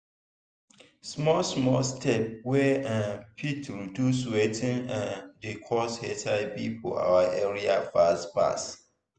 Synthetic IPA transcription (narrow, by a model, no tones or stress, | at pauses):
smɔsmɔstʰɛp̚wɛãnpʰitʰuduswɛtʰĩnãndikʰɔshɛtʰaɪpipʰɔ̰a̰waʔɛɹiafastpa̰s